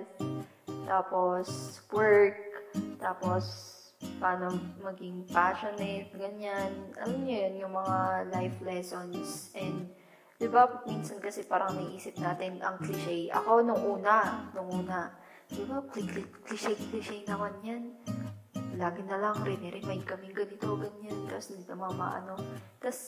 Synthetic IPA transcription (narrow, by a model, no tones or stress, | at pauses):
t̪aːpo̞swɛɹk̚t̪aːpos | paːnomɐɡɪŋpaːʃonɛt̪̚ɡɐɲanʔɐ̰lɐmɲojonjʊŋmɐŋalajflɛːsonsʔɛnd̪ | d̪̥ɪbapminsɐnkɐsɛpaːɾɐŋnɐʔiːsɪp̚naːt̪ɪnɐ̰ŋkliʃɛjʔɐ̰ko̞nʊŋʔuːnɐnʊŋʔuːnɐ | d̪̥ɪbakliklkliʃɛjkliʃɛjnɐkɐɲjan | laːɡɪnɐlaŋɾɛnɛɾɛmajnd̪̚kɐmɪŋɡɐniːt̪oɡɐɲːant̪ɐsnd̪it̪omaamɐ̰ʔɐ̰no̞t̪ɐs